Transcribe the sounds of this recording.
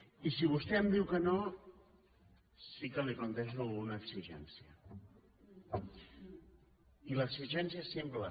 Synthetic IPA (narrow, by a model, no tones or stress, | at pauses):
isiβ̞ust̪ɛəmd̪iwkəno | sikəliplunt̪ɛʃ̬uəlˠɣunəːksiʒɛ̰nsiə̰ | iləksiʒɛnsiəesemplə